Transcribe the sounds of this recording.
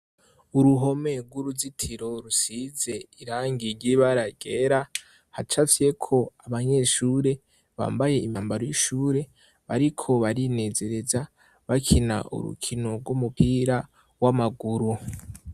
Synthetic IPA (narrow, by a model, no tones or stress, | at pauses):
uɾuɦo̞me̞ɡwuɾuzitʰiɾo̞ɾusize̞iɾaːŋɡiɾɟiβaɾaɡ̥eɾa | hat͡ʃasije̞kʰo̞aβaɲe̞ʃuːɾe̞ | βa̰ːmbaje̞imaːmbaɾojiʃuːɾe̞ | βaɾikʰo̞βaɾine̞ːze̞ɾe̞za | βakʰina̰ʔṵɾṵkʰinoɡwumupiːɾa | wamaɡuɾu